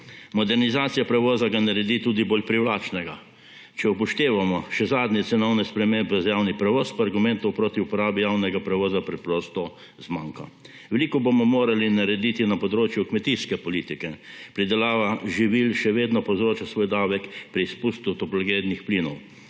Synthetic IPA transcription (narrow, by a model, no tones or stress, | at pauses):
mɔd̪ɛɾnizaːt̪sijapɾɛʋɔːzaɡanaɾɛd̪iːt̪uːd̪iboːlpɾiwlaːt͡ʃnɛɡa | t͡ʃɛupɔʃt̪eːʋamɔʃɛzaːd̪nʲɛt̪sɛnɔwnɛspɾɛmembɛzjawnipɾɛʋɔːspaɾɡʊmɛ̃nt̪ɔwpɾoːt̪iupɔɾaːbijaːwnɛɡapɾɛʋɔːzapɾɛpɾɔst̪ɔ | zmãŋka | ʋɛliːkɔbomɔmoːɾalinaɾɛd̪iːt̪inapɔd̪ɾoːt͡ʃjukmɛt̪iskɛpɔliːt̪ikɛpɾid̪ɛlaːʋaʒiʋilʃɛʋeːd̪nɔpɔwzɾoːt͡ʃasʋojd̪aːʋɛkpɾispust̪ut̪ɔplɡed̪nixpliːnɔw